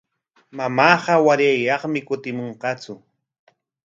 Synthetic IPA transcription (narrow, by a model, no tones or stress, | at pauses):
mamɑːɢɑwaɾajːɑχmɪkʊt̪ɪmoɴqɑt͡sʊ